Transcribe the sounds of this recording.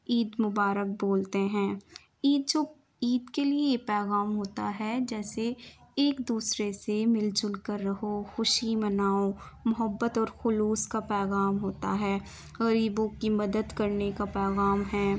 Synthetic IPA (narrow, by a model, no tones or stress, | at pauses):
iːd̪mʊbaːɾək̚boːlt̪eɦɛ̃ː | iːd̪̚d͡ʒoː | iːd̪kelieepɛːɣaːmɦoːt̪a̰ɦɛd͡ʒɛːseeːkd̪uːsɾesemɪlt͡ʃʊlkəɾːɐɦoxʊʃimɐnaːõ | mʊɦəbːət̪ɔːɾxʊluːskapɛːɣaːmɦoːt̪a̰ɦɛː | ɣɐɾiːbõkimɐd̪əd̪kɐɾnekapɛːɣaːmɦɛː